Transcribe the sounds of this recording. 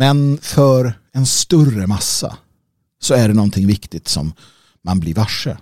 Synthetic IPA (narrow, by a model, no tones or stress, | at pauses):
mɛnfœɾ | ɛnst̪ɵrəmasːa̰ | sɔæɖɛnɔnːt̪ʰɪŋvɪkt̪ɪɡ̚t̪sɔ̰mː | anblɪɾvaʂːə̰